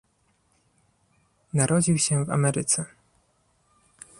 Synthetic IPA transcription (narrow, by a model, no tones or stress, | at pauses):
naɾʔɔd͡ʑiwɕɛ̃va̰mɛɾɘt̪sɛ